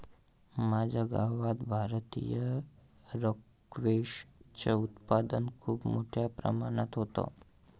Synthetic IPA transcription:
mad͡ʒəɡaʋad̪bʱaɾt̪ḭjə | ɾok | ʋeʃt͡ʃəut̪pad̪ənkʰuːbmoʈʰjapɾə̰mañat̪ɦot̪o̰

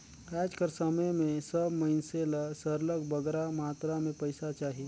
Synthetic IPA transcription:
ɛːd͡ʒkəɾsəməmẽsəbməɪnselasəɾləɡbəɡɾamaːt̪ɾamẽpəɪsat͡ʃaːɦi

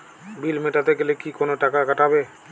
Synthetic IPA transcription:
bilmeʈat̪ekelekikonoʈakakaʈabe

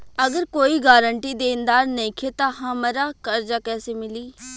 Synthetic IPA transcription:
əɡəɾkoːiɡaːɾəɳʈiːd̪eːɪnd̪aːɾnɐĩkʰet̪ãɦãməɾakəɾd͡ʒaːkɛːsemɪliː

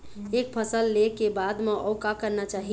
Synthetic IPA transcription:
ek̚pʰəsəlːekebad̪meʔɔʊkakəɾnat͡ʃaɦi

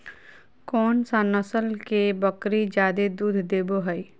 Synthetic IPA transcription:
kɔːnsanəsəlkebəkɾid͡ʒjaːd̪ed̪uːd̪ʱd̪eːboɦəi

